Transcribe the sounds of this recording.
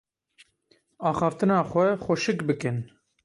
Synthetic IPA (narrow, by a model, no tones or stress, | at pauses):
ɑːxɑːft̪ɨnɑːxʷɛxʷoʃɨkbɨkɨn